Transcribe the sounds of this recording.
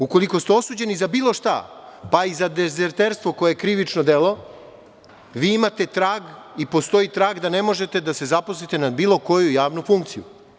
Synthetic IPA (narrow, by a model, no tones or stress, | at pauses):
uko̞liko̞st̪eo̞suːd͡ʑe̞nizabiːlˠo̞ʃt̪a̰paizad̪ezeɾt̪eɾst̪ʋo̞ko̞jeekɾiʋit͡ʃnod̪elo̞ | ʋiːimat̪e̞t̪ɾaːɡipo̞st̪o̞it̪ɾaːɡd̪ane̞mo̞ʒe̞t̪e̞d̪ase̞zaposlit̪e̞nabiːlˠo̞ko̞jujaːʋnufuŋkt̪sijṵ